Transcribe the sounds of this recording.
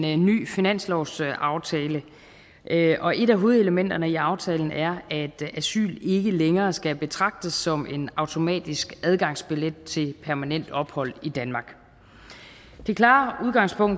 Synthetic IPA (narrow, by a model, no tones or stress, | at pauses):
ny̰ːfinæn̰slɒʊsɑ̈ʊt͡sʰɛːlə | ʔʔɒ̽ʔe̝ɾæɦo̝ːð̩ˠe̝ləmen̰d̥ɐnəiɑ̈ʊt͡sʰɛːln̩ʔæɐæd̥æsy̰ːle̝ɡ̥əleŋɐːsɡ̥æb̥e̝t͡sʰʁɑ̈ɡ̥̚d̥əsːɒ̽me̝nɑ̈ʊt͡sʰo̝mɛ̰ːd̥isɡ̥æð̞ˠɡ̥ɑ̈ŋsb̥iled̥̚t͡sʰe̝lpʰæɐmænen̰d̥ɒ̽b̥hɒ̽l̰id̥ænmɑ̈ːɡ̥ | d̥e̝kʰlɑ̰̈ːuð̞ˠɡ̥ɑ̈ŋ̰spʰɔ̽ŋ̰